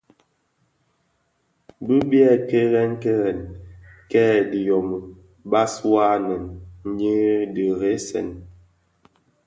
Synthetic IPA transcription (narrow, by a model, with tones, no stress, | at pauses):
bə˦bi˦ɛ˦˨ke˦ɣɛ˦ŋke˦ɣɛ˨nkɛ˦di˨jɔ˨mə˨ | ba˦swa˦nɛ˨nn̩˦ɲi˦də˨ɣe˨˦sɛ̰˨n